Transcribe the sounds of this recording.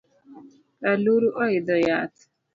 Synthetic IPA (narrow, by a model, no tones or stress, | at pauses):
aluɾuʔɔɪdɔjat